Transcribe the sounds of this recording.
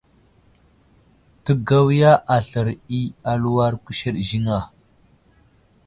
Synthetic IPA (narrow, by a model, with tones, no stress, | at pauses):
tə˦ɡa˦wja˦ʔa˨ɬə˨ɾi˦a˦lu˦wa˦ɾku˦ʃə˦ɗʒi˦ŋa˨